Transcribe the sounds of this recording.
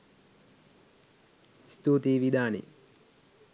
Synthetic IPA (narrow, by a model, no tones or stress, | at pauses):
st̪uːʈeːʋid̪aːnḛ